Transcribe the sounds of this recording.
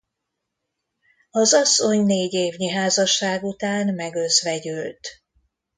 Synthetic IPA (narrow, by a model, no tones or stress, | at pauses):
ɒzɒsːo̞ɲneːɟeːvɲiɦaːzɒʃːaːɡut̪aːnmɛɡøzʋɛɟylt̪